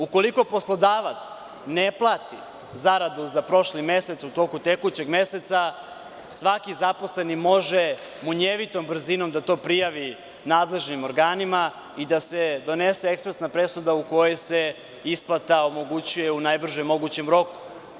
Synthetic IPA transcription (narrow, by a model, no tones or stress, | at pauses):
uko̞liko̞po̞slˠo̞d̪aːʋat̪s | neplˠaːt̪i | zaɾad̪uzapɾo̞ʃlime̞se̞t̪sut̪o̞kut̪e̞kut͡ɕe̞ɡme̞se̞t̪sa | sʋakizapo̞sle̞nimo̞ʒe | muɲeʋit̪ombr̩zino̞md̪at̪o̞pɾijaʋi | naːd̪le̞ʒnimo̞ɾɡaːnima | id̪ase̞d̪o̞neseekspɾesnapɾe̞sud̪auko̞jese̞ | isplˠat̪ao̞mo̞ɡut͡ɕuje̞unajbr̩ʒemːo̞ɡut͡ɕemɾo̞ku̥